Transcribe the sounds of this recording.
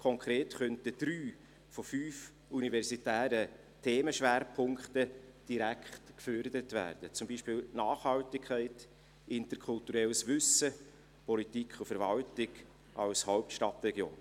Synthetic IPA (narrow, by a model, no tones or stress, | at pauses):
kʰɔŋkʰɾeːtχœntəd̥ɾyː | fɔfyːf | univɛɾsitæːɾə | tʰeːməʃʋæːɾpʰʊŋktəd̥iɾækχtkføːɾd̪əɾətvæ̰ːɾd̥ət͡sʊmbiːʃpɪːlnɑːχhɑwtɪkʰχɛɪt | ɪntəɾkʰʊltuɾɛləsʋʏsə | pʰɔlitikʰʊfəɾvɑltɪɡ̥ | ʔɑwshɔʊp̚tʃtɑtrɛɡjo̰ːn